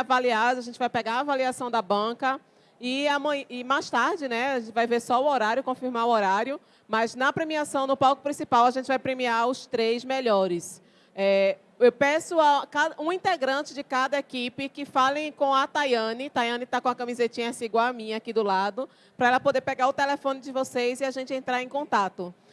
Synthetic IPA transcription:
valiad̪zaʒẽnt͡ʃɪvajpɛɡaɾavaliasɐ̃w̃d̪ɐbɐ̃kɐ | iamɐ̃jɪmajst̪aɾd͡ʒɪnɛaʒẽt͡ʃɪvajveɾsɔʊɔɾaɾjʊkõfiɾmaɾʊoɾaɾjʊ | mɐznɐpɾemiasɐ̃w̃nʊpawkʊpɾĩsipawaʒẽnt͡ʃɪvajpɾemiaʊst̪ɾejzmeʎɔɾɪs | ɛ | ewpɛsʊakad̪ɐũĩnt̪eɡɾɐ̃t͡ʃɪd͡ʒɪkad̪ɐekipɪkɪfalẽj̃kõɐt̪ajɐ̃nɪt̪ajɐ̃nɪt̪akõɐkɐ̃mizet͡ʃĩɲɐsiɡwamĩɲɐakid̪ʊlad̪ʊ | pɾɐɛlɐpod̪eɾpɛɡaɾʊt̪elefõnɪd͡ʒɪvosejzɪaʒẽnt͡ʃɪẽnt̪ɾaɾẽj̃kõt̪at̪ʊ

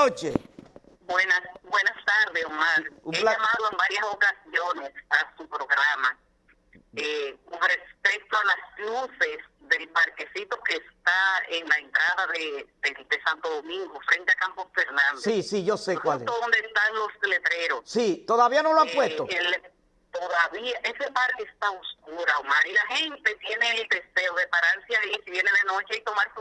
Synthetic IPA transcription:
ot͡ʃe | bwenasbwenast̪aɾðesomaɾumelaamaðoembaɾjasokasjonesasupɾoɣɾama | ekonrespek̚t̪oalaskluses | ðelpaɾkesit̪o̞keːst̪aeŋlaent̪ɾaðaðeded̪esant̪oðo̞mĩŋɡofɾe̞nt̪eakamposfe̞ɾnãnd̪seisiʝo̞sekwaleoond̪est̪aŋlo̞st̪ele̞t̪ɾe̞ɾo̞ssit̪o̞ðaβianoloaŋpwest̪oel | t̪oðaβiaʔe̞se̞paɾkeest̪aoskuɾaomanilahe̞nt̪e̞t̪je̞neːld̪e̞se̞oðe̞paɾaɾseaisiβjeneðenot͡ʃeajt̪o̞maɾs

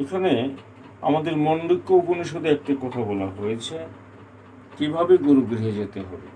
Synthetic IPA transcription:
ekʰane | a̰mad̪eɾmonɖikːouponiʃod̪ʱeɛk̚ʈakɔt̪ʰabɔlaɦojet͡ɕʰe | kibʱabeɡoɾoɡɾiɦed͡ʑet̪eɦɔbe

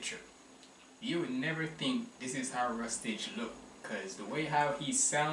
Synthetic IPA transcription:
t͡ʃə˞ | jɨwɨdⁿnɛvə˞θɪ̃ŋk̚ðɪsɪz̥haʊɹʌstɪd͡ʒlʊkʰːʌzðəweɪɦaʊiz̥sãʊ̃

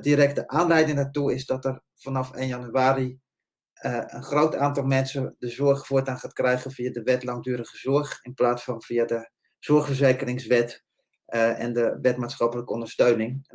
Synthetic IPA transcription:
diːɾɛktəʔaːnlɛjdɪŋdaːtuɪsdɔtər | fanɑfḛːnjɑnyaːɾi | ənχrowtaːntɑlˠmɛnsədəzʊrχfʊːtaːnχaːtkrɛjɣəfiadəʋɛtlɑŋdyːɾəχəzʊɹχɪnplaːtsfɔnfiadə | z̥ɔɹxfəzeːkərɪŋsʋɛt | ɛ̰ndəʋɛtmaːtsχɑpələkəɔndərstøɥnɪŋ

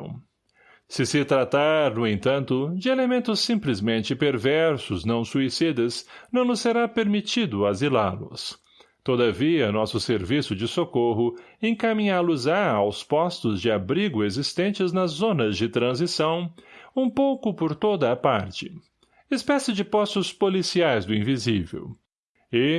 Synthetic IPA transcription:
sɪsɪt̪ɾat̪aɾnʊẽnt̪ɐ̃nt̪ʊd͡ʒɪelemẽnt̪ʊsːĩmplɪzmẽnt͡ʃɪpeɾvɛɾsʊznɐ̃w̃suisid̪ɐsnɐ̃w̃nʊsːeɾapeɾmit͡ʃid̪ʊazilaɾlʊ̰s | t̪od̪ɐviɐnɔsʊseɾvisʊd͡ʒɪsokoɦʊẽŋkamĩɲalʊzaawspɔst̪ʊzd͡ʒɪabɾiɡʊezist̪ẽnt͡ʃɪznɐzːõnɐzd͡ʒɪt̪ɾɐ̃zisɐ̃w̃ũpowkʊpoɾt̪od̪ɐːpaɾt͡ʃɪ | ɪspɛsɪd͡ʒɪpɔst̪ʊspolisiajzd̪ʊĩvizivḛw | ɪ

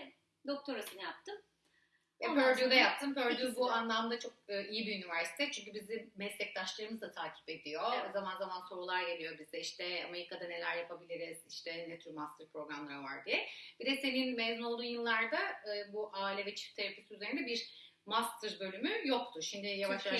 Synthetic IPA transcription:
d̪o̞k̚t̪ʰo̞ɾasɯnɯjap̚t̪ɯm | pʰøɾd̪yjod̪ajap̚t̪ʰɯmbø̞ɾd̪yjbuanlˠamd̪at͡ʃʰo̞k̚ɯːʔijibiynivæɾsi̥t̪ʰɛt͡ʃʰyɲc̬ybizimɛslʲɛc̚t̪aʃlˠaɾɯmɯzat̪ʰaːcʰi̥pe̞d̪ijo̞zamanzamanso̞ɾulˠaɾɟe̞lʲijobizd̪ɛiʃt̪ʰɛame̞ɾikʰad̪ane̞lʲæɾjapʰabilʲiɾɛz̥iʃt̪ʰɛnɛt̪ʰyɾmast̪ʰɯɾpʰɾo̞ɡɾamlˠaɾava̰ɾd̪ijɛb̥id̪ɛse̞ninmezuno̞lˠd̪uːnjɯlːˠaɾd̪aɯːbuʔaːlʲɛvɛt͡ʃʰi̥t̪ʰeɾepʰesiyze̞ɾind̪ɛbiɾ | mast̪ʰɯɾbø̞lʲymyjo̞k̚t̪ʰʊʃimd̪ɪjavaʃ

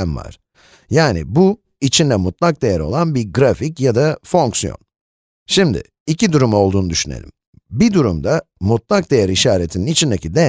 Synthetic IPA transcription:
nva̰ɾ̥ | jaːnḭbu | it͡ʃʰind̪ɛmut̪lˠak̚d̪e̞jæɾo̞̰lˠanbiɾɡɾaficjad̪afo̞ŋksijo̰n | ʃimd̪ɪ̰ | icid̪uɾumo̞lˠd̪uːnud̪yʃynḛlʲḭm | bid̪uɾṵmd̪a | mut̪̚lˠak̚d̪e̞jæɾiʃaːɾet̪ʰininit͡ʃʰind̪ecʰid̪e

